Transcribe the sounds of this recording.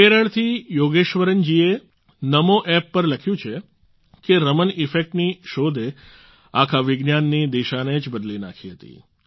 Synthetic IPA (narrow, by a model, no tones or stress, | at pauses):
keɾəɭt̪ʰijoɡeʃʋəɾənd͡ʒie | nəmoʔɛpːəɾləkʰjũt͡ʃʰe | keɾəmənɪfek̚ʈniʃod̪ʱe | akʰaʋɪɡnjanːid̪iʃaned͡ʒbəd̪lina̰kʰiɦət̪ḭ